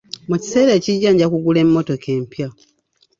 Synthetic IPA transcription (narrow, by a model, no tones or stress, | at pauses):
muci̥se̞ːɾeːciɟːaɲɟakuɡule̞mːo̞to̞ke̞ːmpja